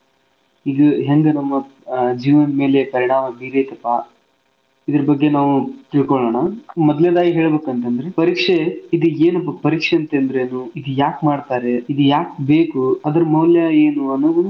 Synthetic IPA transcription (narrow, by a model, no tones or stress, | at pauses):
iɡɐɦeŋɡɐnɐmːɐd͡ʒiːʋɐnme̞ːle̞pɐɾiɳaːmɐbiːɾejt̪ɐpːa | id̪ɐɾɐbɐɡːe̞naːʋut̪iɭkɔɭoːɳɐmɔd̪led̪aːɡiɦe̞ːɭbe̞ːkɐnt̪eɐnd̪ɾepɐɾiːkʂeid̪ueːnɐpːɐpɐɾiːkʂeɐnt̪eːnd̪ɾeːnuid̪ujaːkmaːɖt̪aːɾe̞id̪ujaːk̚be̞ːkuɐd̪ɐɾɐmɐwljɐeːnuɐnːuʋu